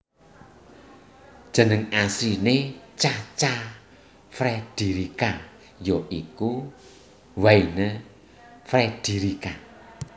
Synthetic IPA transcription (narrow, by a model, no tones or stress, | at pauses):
d̥ʒ̥ə̤nəŋasinet͡ʃat͡ʃa | fɾɛd̪̥iɾika | jɔʔiku | waine | fɾɛd̥i̤ɾika